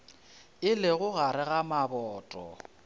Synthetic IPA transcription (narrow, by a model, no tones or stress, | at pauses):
ɪlɪɣʊɣaɾɪɣamabɔːtʼɔ̰